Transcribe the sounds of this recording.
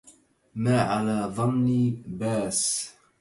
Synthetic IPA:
maːʕalaːðˤɑnniːbaːs

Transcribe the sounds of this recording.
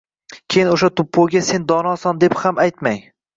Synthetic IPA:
kʲʰejɪnoʃat̪ʰʊpʰːoɡʲase̞nd̪ɒnɒsɒnd̪e̞phamajt̪maj

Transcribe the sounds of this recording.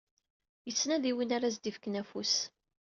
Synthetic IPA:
jət͡sːnæðiwinaɾaz̬d̪ifkənæfus

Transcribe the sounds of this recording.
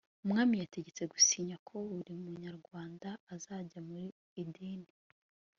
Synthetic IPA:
umŋaːmijate̞ɟe̞t͡se̞ɡusiːɲakʰo̞uɾimuɲaɾɡwaːndaːzaːɟamuɾi | idiːni

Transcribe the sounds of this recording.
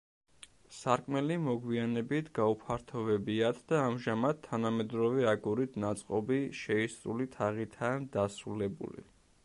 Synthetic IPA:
saɾkʼmɛlimɔɡwianɛbit̪ʰɡaupʰaɾt̪ʰɔvɛbiat̪ʰd̪aːmʒamad̪̚t̪ʰːanamɛd̪ɾɔvɛaɡuɾit̪ʰnat̪sʼqʼɔbiʃɛisɾṵlit̪ʰaʁit̪ʰaːnd̪asɾulɛbṵlḭ

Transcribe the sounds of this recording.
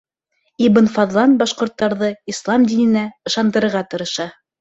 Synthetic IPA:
ibɤ̆nfɑðlˠɑnbɑʃqŏɾt̪ːɑɾðɤislˠɑmd̪inɘ̆næɤ̆ʃɑnd̪ɤ̆ɾɤ̆ɾʁɑt̪ɤ̆ɾɤ̆ʃɑ

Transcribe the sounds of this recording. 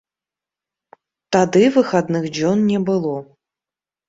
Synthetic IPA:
t̪ad̪ɨvɨxad̪nɨxd͡ʑʲɔnːʲɛbɨlˠɔ

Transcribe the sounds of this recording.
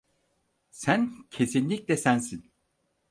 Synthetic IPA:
sæncʰe̞sinlʲiclɛsænsin

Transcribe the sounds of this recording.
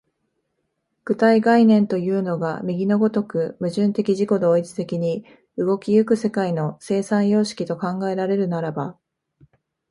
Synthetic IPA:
ɡ̥ɯ̟t̪aiɡainẽ̞nt̪o̞jɯ̟ːno̞ɡa̰mʲiɡʲino̞ɡo̞t̪o̞kɯ̟mɯ̟ʑɨ̃nt̪e̞kʲiʑiko̞d̪o̞ːit͡sɨ̥t̪e̞kʲiɲ̟i | ɯ̟ɡo̞kʲijɯ̟kɯ̟se̞kaino̞se̞ːsãɰ̃jo̞ːɕi̥kʲit̪o̞kãŋɡae̞ɾaɾe̞ɾɯ̟naɾaba

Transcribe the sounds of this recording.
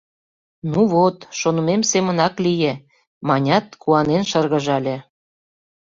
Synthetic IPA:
nuβot̪ʃonə̆memsemə̆nɑklije | mɑnʲɑt̪̚kuɑnenʃɤrɣə̆ʒɑlʲĕ

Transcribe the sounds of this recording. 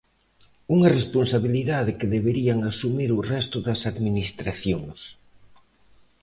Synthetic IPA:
uŋɐresponsaβiliðaðɪkɪðeβeɾiaŋasumiɾʊrɛst̪ʊðɐsaðminist̪ɾaθjoŋs

